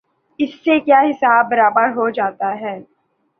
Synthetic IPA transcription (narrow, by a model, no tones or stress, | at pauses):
ɪsːekjaːɦɪsaːbːɐɾaːbəɾɦod͡ʒaːt̪aɦɛː